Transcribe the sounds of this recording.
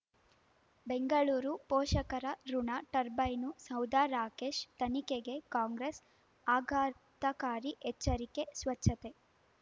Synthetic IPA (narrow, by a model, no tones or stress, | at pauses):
beŋɡɐɭuːɾupoːʃɐkɐɾɐɾuɳaʈɐɾbɐjnusɐwd̪aːɾaːkeːʃt̪ɐnikeɡe̞kaːŋɡɾes | aːɡʱaː | t̪ɐkaːɾiʔɛt͡ʃːɐɾike̞sʋɐt͡ʃʰːɐt̪e̞